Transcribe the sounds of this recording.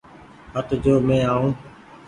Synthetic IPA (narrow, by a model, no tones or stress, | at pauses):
ɦət̪d͡ʑoːmẽːaːũː